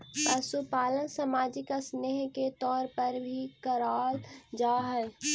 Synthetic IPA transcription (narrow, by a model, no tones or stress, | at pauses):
pəsupaːlənsəmaːd͡ʒɪkəsneɦket̪ɔːɾpəɾbʱikəɾaːld͡ʒaːɦɛ